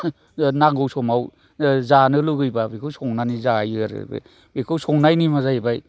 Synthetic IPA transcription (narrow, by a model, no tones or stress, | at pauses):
naŋɡɯwsɔmaw | zanɯlɯɡɯjbabikʰɯwsɔŋnanizajɯaɾɯ̰bɯ̰ | bikʰɯwsɔŋnajnimazajbaj